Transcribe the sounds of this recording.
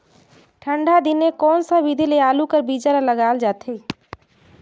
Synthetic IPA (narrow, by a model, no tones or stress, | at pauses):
ʈʰəɳɖad̪inekɔnsə̃bid̪ʱilealukəɾbid͡ʒaɾaləɡald͡ʒat̪ʰi